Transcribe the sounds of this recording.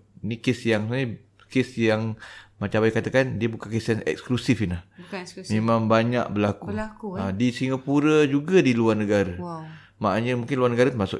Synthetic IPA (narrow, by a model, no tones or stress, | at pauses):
inikesjaŋsə | kesjaŋmat͡ʃabajkat̪akandiabukaŋkist̪anɛ̰k̚sklusɪfinahmemãŋbaɲa̰ʔ̚bəlakuuadisiŋapuɾad͡ʒuɡadiluarnəɡaɾa | maʔaɲəmuŋkɪnluarnəɡaɾat̪əmasʊ̰k